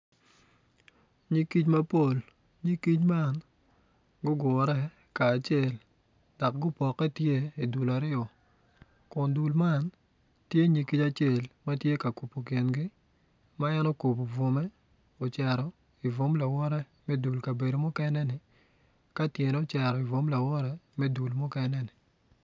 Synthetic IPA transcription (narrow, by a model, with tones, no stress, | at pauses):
ɲi˦ki˦t͡ʃma˦po˦˨l | ɲi˦ki˦t͡ʃma˦˨n | ɡʊ˦ɡɔ˨ɾɛ˦ | kaː˨t͡ʃe˦˨l | dɔ˨k̚ɡʊ˦pɔ˨kːɛ˦tje˦i˨du˨la˨ɾɪ˦ɔ˨ | kʊ˨ndu˨lma˦n | tje˦ɲi˨ki˦t͡ʃa˦t͡ʃe˦˨lma˦tje˦ka˨ku˨po˨ki˨nɡɪ˦ | ma˦ɛ˦no˦ku˨po˨vo˨mɛ˦ | ɔ˨t͡ʃɛ˨ɾɔ˨ | i˨vo˦mla˨wɔ˦ɾɛ˦ | mɛ˦du˨lka˨be˨do˨mʊ˦kɛ˦nɛ˦nɪ˨ | ka˦tje˨nɛ˦ɔ˦t͡ʃɛ˨ɾɔ˨i˨vo˦mla˨wɔ˦ɾɛ˦mɛ˦du˨lmʊ˦kɛ˦nɛ˦nɪ˨